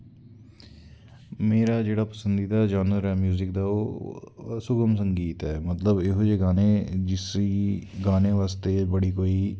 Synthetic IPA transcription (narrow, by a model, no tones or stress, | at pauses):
meːɾaːd͡ʒeːɽaːpəsə̃nd̪iːd̪aːd͡ʒaːnəɾɛːmjuːzɪk̚d̪aːo̰ː | sʊkəms̬ə̃ŋɡiːt̪ɦɛːmət̪ləbeːɦod͡ʒeːɡaːnẽːd͡ʒɪsiːɡaːnẽːʋaːst̪eːbəɽiːkoːiː